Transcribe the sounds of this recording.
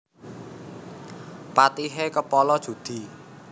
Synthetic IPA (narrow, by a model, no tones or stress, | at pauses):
pat̪iɦekəpɔlɔd̥ʒ̥ṳd̪̥i̤